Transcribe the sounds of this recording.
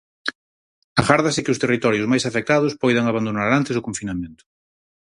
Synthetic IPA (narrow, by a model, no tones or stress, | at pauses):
aɣaɾðasɪkɪʊst̪erit̪ɔɾjʊzmajsafek̚t̪aðʊspɔjðaŋaβand̪onaɾant̪ɪsokoɱfinamẽnt̪ʊ̥